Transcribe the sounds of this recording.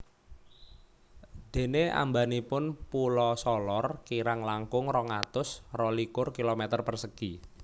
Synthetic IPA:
d̪̥e̤nea̰mbanipʊnpulɔsɔlɔrkiɾaŋlaŋkʊŋrɔŋat̪ʊsrɔlikʊrkilomɛt̪ərpərsəɡ̥i

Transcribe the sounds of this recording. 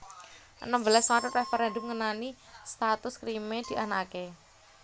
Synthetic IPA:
ʔə̰nəmbəlɛsmatʊt̪refeɾɛndʊmŋənani | st̪at̪ʊskɾimed̪̥i̤ʔanake

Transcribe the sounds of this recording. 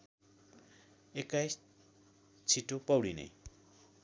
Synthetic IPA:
ekajs | t͡sʰiʈopʌwɽinʌ̰j

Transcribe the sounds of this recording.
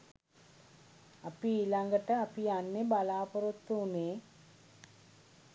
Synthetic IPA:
apiːlaŋɡəʈəapianːebalaːpəɾut̪ːune

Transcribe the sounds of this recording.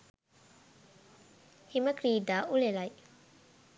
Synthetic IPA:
himakɾid̪aʔulelaj

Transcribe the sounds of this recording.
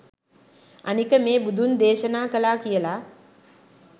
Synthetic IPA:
anikəmeːbud̪ʱund̪eːʃənaːkəlaːkijəla

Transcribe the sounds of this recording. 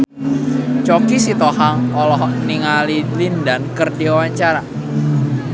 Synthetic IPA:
t͡ʃokisit̪ɔɦaŋɔlɔɦniŋalilindankərdewaɲt͡ʃaɾa

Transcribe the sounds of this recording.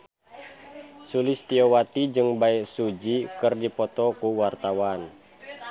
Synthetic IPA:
sulist̪iɔwat̪id͡ʒɨŋbaɛsud͡ʒikərdipɔt̪ɔkuwart̪awan

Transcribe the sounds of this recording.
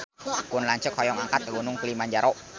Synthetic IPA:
kʊnlaɲt͡ʃəkhɔjɔŋaŋkat̪̚kəɡunʊŋkəlimand͡ʒaɾɔʔ

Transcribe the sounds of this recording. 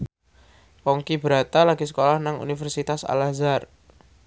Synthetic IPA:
pɔŋkib̥əɾa̤t̪alaɡ̥isə̥kolahnaŋṵnifɛrsit̪asa̰lazar

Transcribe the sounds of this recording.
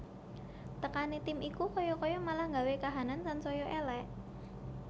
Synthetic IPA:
t̪əkanet̪ɪmʔikukojɔkojɔmalahŋɡawekaɦanansansɔjɔʔɛlɛʔ

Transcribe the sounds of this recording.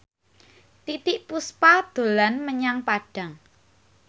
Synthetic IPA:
t̪it̪ɪʔpuspad̪̥o̤lanməɲaŋpaɖ̥a̤ŋ

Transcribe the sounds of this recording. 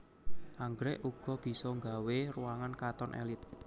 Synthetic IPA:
ʔaŋɡɾɛʔuɡ̥ɔ̤b̥i̤sɔŋɡaweruwaŋankat̪ɔnʔḛlɪt̪̚

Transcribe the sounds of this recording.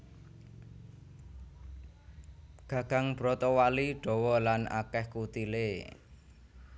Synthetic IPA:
ɡ̥ä̤ɡ̥a̤ŋb̥ɾɔt̪owaliɖ̥ɔ̤wɔlana̰kɛhkut̪ile

